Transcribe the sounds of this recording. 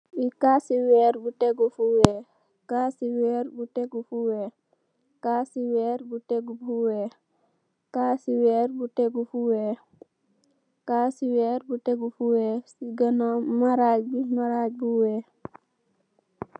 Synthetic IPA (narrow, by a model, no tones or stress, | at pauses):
wikasiweɾbuʈeɡupʰuwe | kasiweɾbuʈeɡupʰuwe | kasiweɾbuʈeɡubʱue | kasiweɾbuʈeɡupʰue | kasiweɾbuʈeɡupʰuwesiɡənɔmaɾad͡ʒbimaɾad͡ʒbʱuwe